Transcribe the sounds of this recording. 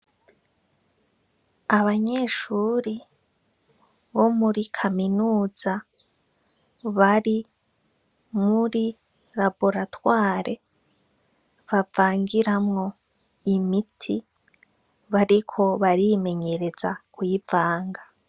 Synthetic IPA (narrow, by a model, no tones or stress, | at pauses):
aβaɲeːʃuːɾi | βo̞muɾikʰaminuːz̥a | βaɾi | muɾi | ɾabo̞ɾatwaːɾe̞ | βavaːŋɡiɾamŋo̞ | imitʰi | βaɾikʰo̞βaɾime̞ɲe̞ɾe̞za̰kwiːvaːŋɡa